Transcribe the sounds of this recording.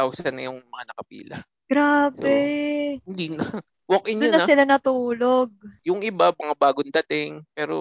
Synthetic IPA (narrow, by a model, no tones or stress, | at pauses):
awsɐnɐjʊŋmɐŋanɐkɐpḭːlɐ̰ | ɡ̥ɾaːbɛɪnd̪iːnɐ | wok̚ʔɪnd̪ʊoːɐsɪlanɐt̪uːloɡ̚jʊŋʔɪbamɐŋabaːɡond̪ɐt̪ɪŋpɛːɾo̰